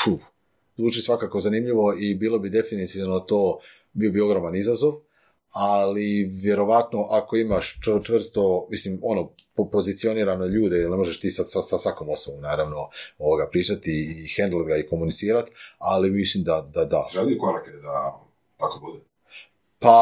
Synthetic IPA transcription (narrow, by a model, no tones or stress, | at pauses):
t͡ʃuː | zʋuːt͡ʃisʋakako̞zanimʎiʋo̞ibiːlˠo̞bid̪e̞finit̪iʋno̞t̪oː | biːobio̞ɡɾo̞manizazo̞ʋ | aliʋje̞ɾo̞ʋat̪no̞ʔako̞imaʃt͡ʃt͡ʃʋr̩st̪o̞mislimo̞nopopo̞zit̪sio̞niːɾanoʎuːd̪eilˠnemo̞ʒeʃt̪iːsasasasʋako̞mo̞snobomnaːɾaʋno̞oʋoɡapɾiːt͡ʃat̪iːxend̪ld̪ɡaiko̞munit̪siːɾat̪alimislimd̪ad̪ad̪a̰ʒaliukoɾaked̪a | t̪akobud̪e | pa